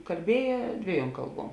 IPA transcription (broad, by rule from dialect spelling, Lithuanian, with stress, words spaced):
kɐlʲˈbʲiɛjɛ ˈdʲʋʲiɛˌjuɔm ˈkɐlˠˌbuɔm